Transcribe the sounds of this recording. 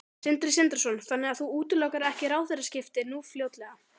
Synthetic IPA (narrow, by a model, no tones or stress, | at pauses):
sɪnt̪ɾɪsɪnt̪ɛɾ̥sɔnθanːɛɣaðθuuːt̪ʏlɔkaɾɛhcɪɾaːwθejɾascɪft̪ɪnuːfljoːwt̪lɛɣa